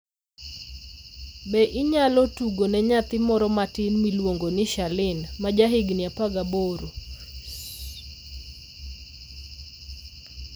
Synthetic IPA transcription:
bɛʔɪɲalɔtuɡonɛɲat̪ɪmɔɾɔmatɪnmilwoŋɡonɪʃalɪnmad͡ʒaɦɪɡnɪapaɡaboɾo

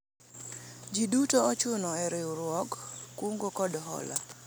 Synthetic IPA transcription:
d͡ʒidutoɔt͡ʃʊnɔɛɾeuɾwɔkkːwuŋɡokɔdɦɔ̰la̰

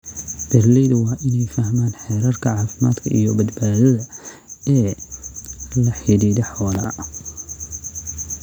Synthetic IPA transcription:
d̪̥ɐrlɛðʊwɑːʔɪnɛjfɐhmaːnħɛːɾɐrkʰɐʕɑːfɪma̰ːd̪kʰɐʔḭjɔbɐd̪baːðɐðɐ | ɛː | lɐħiliːðɛħɔːlɐ̰

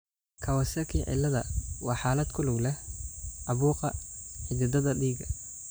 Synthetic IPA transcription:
kʰɐwɐsɐrkʰiːʕɪ̰lːɐðɐwɑːħaːlɐd̪kʰʊlʊɡlɛhʔɑβuːqɑħɪd̪ɪd̪ɐðɐɖiːɡɐ

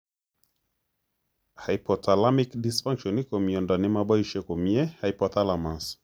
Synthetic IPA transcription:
haipʰɔtʰalamikdisfãŋkʃɔnikɔmiɔndɔnimaɓɔiʃɛkɔmiɛhaipɔtalamans

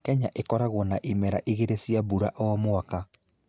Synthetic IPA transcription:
kɛɲaʔekɔɾaɣonaʔimɛɾaʔiɣeɾesiaβuɾaʔɔmoaka

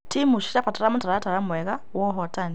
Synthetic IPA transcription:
timuʃi̥ʃapataɾamutaɾataɾamwɛɣawɔɦɔtani

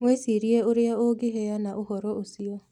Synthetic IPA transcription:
mwesiɾieoɾeaoɡeɦɛanaʔohɔɾɔʔosiɔ

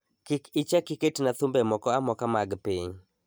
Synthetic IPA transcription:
kɪkɪt͡ʃakiketnat̪ʊmbɛmɔkɔamɔkamaɡpɪɲ

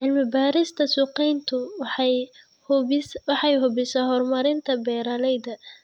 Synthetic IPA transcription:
ʕɪlmɪbaːɾɪst̪ʰɐsuːqɛjnt̪ʰʊ | wɑħɑjɦʊbɪsaːhɔrmɐɾɪnt̪ʰɐbɛːɾaːlɛjðɐ

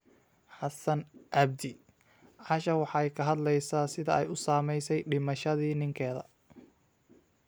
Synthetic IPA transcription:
ħɑsɐnʔɑb̚d̪ɪ | ʕɑʃɐwɑħɑɛjkʰɐɦɐd̪lɛjsaːsɪðɐɛjʊsaːmɛjsɛjɖɪmɐʃɐðiːnɪŋkʰɛːðɐ̰

